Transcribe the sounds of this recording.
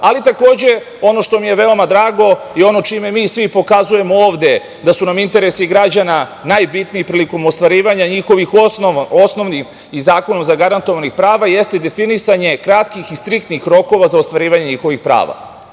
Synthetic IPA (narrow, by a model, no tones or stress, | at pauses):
alit̪ako̞ːd͡ʑe̞ | o̞no̞ʃt̪o̞mije̞ʋe̞o̞mad̪ɾaːɡo̞io̞no̞t͡ʃime̞miːsʋipo̞kazuje̞mooːʋd̪e̞ | d̪asunamint̪e̞ɾesiɡɾad͡ʑananajbit̪niːpɾiːliko̞most̪ʋaɾiːʋaɲaɲixo̞ʋixosno̞ʋnim | izaːko̞nomzaɡaɾant̪oʋanixpɾaːʋaje̞st̪ed̪e̞finisaɲe̞kɾat̪kixist̪ɾikt̪nixɾo̞ko̞ʋazaost̪ʋaɾiːʋaɲeɲixo̞ʋixpɾa̰ːʋa̰